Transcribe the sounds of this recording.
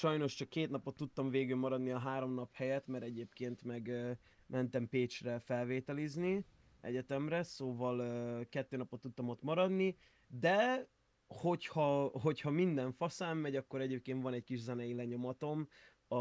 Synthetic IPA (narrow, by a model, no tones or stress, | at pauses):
ʃɒjno̞ʃt͡ʃɒkːeːt̪nɒpot̪ːut̪ːɒɱveːɡylmɒɾɒd̪niɒɦaːɾo̞mnɒphɛjɛt̪mɛɾɛɟeːpkeːnt̪mɛɡ | mʔɛnt̪ɛmpeːt͡ʃrɛfɛlveːt̪ɛlizni | ɛ̰ɟɛt̪ɛmɾɛsoːvɒlkɛt̪ːøːnɒpot̪ːut̪ːɒmo̞t̪mɒɾɒd̪ni | d̪ɛ | ho̞chɒɦo̞chɒmind̪ɛɱfɒsaːmːɛɟɒkːo̞ɾɛɟeːp̚keːnt̪vɒnɛckiʒzɛnɛjilɛɲo̞mɒt̪o̞m | ɒ